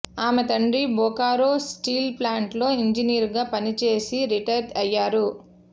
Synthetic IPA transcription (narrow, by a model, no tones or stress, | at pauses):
aːmet̪ɐɳɖibɔːkaːɾoːsʈiːlplaːɳʈlo̞ːiɲd͡ʒiniːɾɡaːpɐnit͡ʃe̞ːsiɾiʈɐɾdɐjːaːɾu